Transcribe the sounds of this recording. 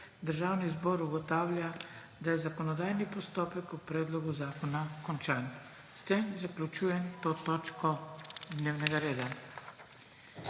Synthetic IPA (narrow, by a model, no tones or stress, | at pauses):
d̪əɾʒawnizbɔɾuɡɔt̪awlʲa | d̪ajɛzakɔnɔd̪ajnipɔst̪ɔpɛkupɾɛd̪lɔɡuzaːkɔnakɔnt͡ʃan | st̪emzaklʲut͡ʃujɛnt̪ot̪ɔt͡ʃkɔd̪newnɛɡaɾeːd̪a